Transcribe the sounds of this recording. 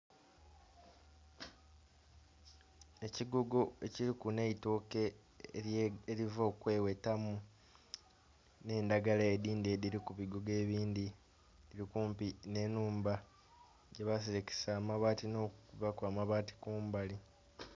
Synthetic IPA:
e̞ciɡuɡoeciɾikune̞itoːke̞ | eɾivo̞ːkwe̞ːwetamu | ne̞ːndaɡalaediːndediɾikuβiɡoɡe̞ːβiːndi | diɾikuːmpine̞nuːmba | ɟe̞βas̬eɾeke̥saːmaβaːtino̞ːkkuβakwaːmaβaːti̥kuːmbali

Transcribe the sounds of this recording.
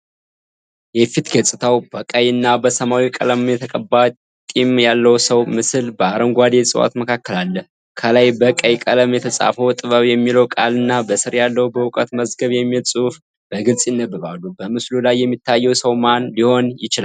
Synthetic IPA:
jɛfit̪ɡəsʼɨt̪ʰawbəkʼəjɨnːabəsəmawikʼə̰ləmjɛt̪ʰəkʼəbːa | t̪ʼimjalːəwsəwmɨsɨlbəaɾəŋɡʷad̪esʼɨwa̰t̪məkʰakːəlalːəh | kʰəlajbəkʼəjkʼələmjɛt̪ʰəsʼa̰fəwt̪ʼɨβəβjɛmːiləwkʼalɨnːabəsɨɾjalːəwubəwkʼət̪məzɡəβjɛmːilsʼuf | b̥əɡɨlsʼjnːəbɨβalːubəmɨslulajːɛmːit̪ʰːajːɛwsəwmanliho̞njɪt͡ʃɪla

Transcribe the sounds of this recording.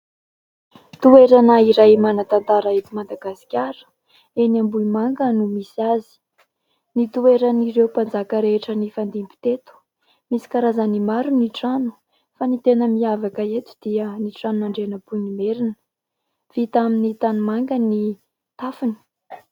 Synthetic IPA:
t̪ueɾanəiɾajmanat̪ant̪aɾaet̪umad̪aɡasi̥kʲaɾə̥ | enambuimaŋɡənumisiazi̥ | nit̪ueɾaniɾewpand͡zakəɾeʈ͡ʂənifand̪imbi̥t̪et̪u̥ | misi̥kaɾazanimaɾuniʈ͡ʂanu̥ | fanit̪enəmiavakaet̪u̥d̪̥iəniʈ͡ʂanunaɳɖ͡ʐenəpuɲimeɾinə̥ | v̥it̪aminit̪anumaŋɡəni | t̪afini̥

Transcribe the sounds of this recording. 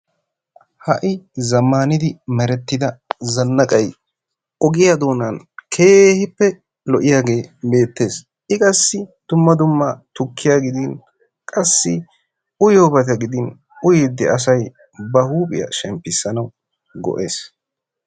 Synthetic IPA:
hɐʔɪzɐmːaːnɪd̪ɪmɛɾɛt̪ːɪd̪ɐzɐnːɐkʼɐj | ɔɡɪjad̪o̞ːnɐn | kʰe̞ːhɪpːɛ | lɔʔɪjaːɡe̞ːbe̞ːt̪ːe̞ːs | ʔɪkʼɐsːɪd̪̥ʊmːɐd̪ʊmːɐt̪ʊkːɪjaːɡɪd̪ɪn | kʼɐsːɪ | ʊjoːbɐt̪̬ɛɡɪd̪ɪn | ʊjɪd̪ːɪɐs̬ɐj | bɐhuːpʼɪ̰jɐ̰ʃɛmpːɪsːɐnɐw | ɡɔ̰ʔe̞̰ːs

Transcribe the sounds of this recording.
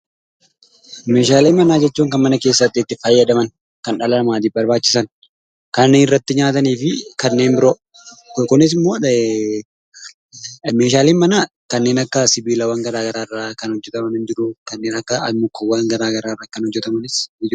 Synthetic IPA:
me̞ːʃaːleːmɐnaːd͡ʒɛt͡ʃːuːŋkɐnmɐnɐke̞ːsːɐt̪ːɪːt̪ːɪfɐjːɐd̪ɐmɐn | kɐnᶑɐlɐɐmaːt̪̬iːbɐɾbaːt͡ʃːɪ̥sɐn | kɐnːeːnɪrːɐt̪ːɪɲaːt̪ɐniːfɪkɐnːe̞ːnbɪɾoː | kʊnɪs̬ɪmːoː | me̞ːʃaːleːnmɐnaː | kɐnːe̞ːnɐkːɐsɪbiːlɐwɐŋɡɐɾaːɡɐɾaːɪrːaːkɐnhɔd͡ʒːɛt̪ɐmɐnɪnd͡ʒɪɾʊkɐnːeːnɐkːɐɐmːʊkːɐwːɐŋɡɐɾaːɡɐɾaːɪrːaːkɐnhɔd͡ʒːɛt̪ɐmɐnɪsɪd͡ʒɪ

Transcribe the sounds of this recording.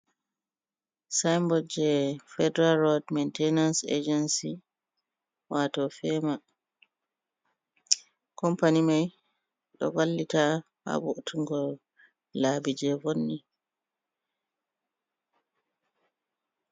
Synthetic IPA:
sajmbɔd͡ʒɛfɛdɛɾalɾɔdmɛntɛnansḛd͡ʒɛnsi | watɔfɛma | kɔmpanimaj | ɗɔ̰ɡalːita | ha̰buʔtʰuŋɡɔ | labid͡ʒɛvonːi

